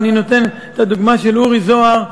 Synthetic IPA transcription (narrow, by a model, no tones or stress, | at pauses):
nino̞t̪e̞net̪ad̪uɡmaʃe̞luʁizo̞aʁ